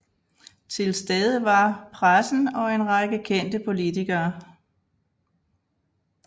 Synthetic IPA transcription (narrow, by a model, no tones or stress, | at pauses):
t͡sʰe̝lsd̥eð̞ˠəʋɑ̈pʰʁasn̩ɒ̽e̝nʁɑɡ̥əkʰen̰d̥əpʰo̝lit͡sʰiɡ̥ɐː